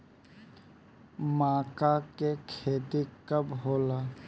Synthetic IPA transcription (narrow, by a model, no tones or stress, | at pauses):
mãːkakekʰeːt̪ikəbɦoːla